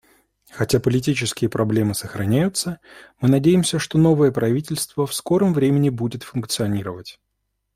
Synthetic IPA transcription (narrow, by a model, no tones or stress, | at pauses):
xɐtʲapəlʲɪt̬ʲit͡ɕɪskʲɪjəpɾʔɐblʲe̞mɨsəxɾɐnʲæjʊt̪səmɨnɐdʲejɪmsʲəʂt̪o̞no̞vəjəpɾɐvʲitʲɪlʲst̪vəfsko̞ɾəmvɾʲemʲɪnʲɪbudʲɪt̪fʊnk̚t̪sɨɐnʲiɾəvətʲ